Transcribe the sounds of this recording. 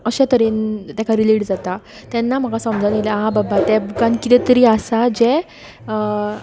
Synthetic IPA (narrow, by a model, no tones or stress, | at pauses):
əɕat̪əɾent̪jãkʰaɾiliʈd͡zat̪a | t̪ɛnːam̤əɡasə̃md͡zʱanilɛɦababat̪ɛbukãnkit̪ɛt̪əɾiːasad͡ʑɛ